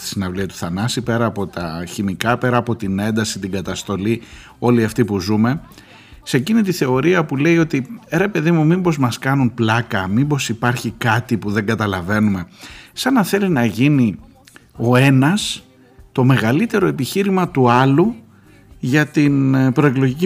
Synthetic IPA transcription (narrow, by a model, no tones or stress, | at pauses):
t̪i̥sinɐvliɐt̪u̥θɐnɐsipe̞ɾɐːpo̞t̪ɐ̰çimikɐpe̞ɾɐːpo̞t̪ine̞nd̪ɐsit̪iɡɐt̪ɐst̪o̞li | o̞liɐft̪ipuzume̞ | se̞cinit̪iθe̞o̞ɾiɐpule̞io̞t̪iɾe̞pe̞ðimumimbo̞zmɐskɐnunplɐkɐmimbo̞sipɐɾçikɐt̪ipuðe̞ŋɡɐt̪ɐlɐve̞nume̞sɐnɐθe̞linɐʝini | o̞e̞nɐs | t̪o̞me̞ɣɐlit̪e̞ɾo̞e̞piçiɾimɐt̪uɐlu | ʝɐt̪inpɾo̞e̞klo̞ʝici